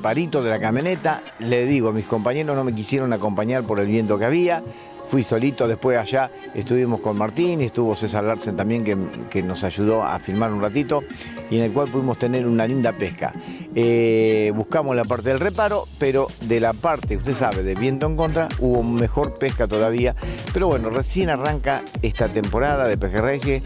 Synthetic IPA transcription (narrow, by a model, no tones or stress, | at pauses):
paɾit̪o̞ðe̞lakamjo̞net̪a | leðiɣoamisko̞mpaɲe̞ɾo̞zno̞me̞k̬isjeɾo̞nako̞mpaɲaɾpo̞ɾe̞lβje̞nt̪o̞keaβia | fwiso̞lit̪o̞ðehpwesaʒa | ḛst̪uβimo̞sko̞nmaɾt̪inest̪uβo̞sesalaɾsent̪ambje̞ŋkekeno̞saʒuðo̞a̰fiɾmaɾunrat̪it̪o̞ | iene̞lkwalpuðimo̞st̪e̞neɾunalind̪apehka̰eβuhkamoslap̬aɾt̪eðelrepaɾo̞peɾo̞ðelapaɾt̪euht̪e̞saβe̞ðeβje̞nt̪oeŋko̞nt̪ɾauβo̞me̞xo̞ɾpehkat̪o̞ðaβiapeɾoβwe̞no̞resje̞naraŋkaest̪at̪e̞mpo̞ɾaðaðepexerejʒe